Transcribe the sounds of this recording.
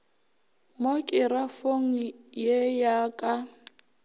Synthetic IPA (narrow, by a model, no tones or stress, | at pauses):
mokʼɪɾafoŋ̩jejaːkʼa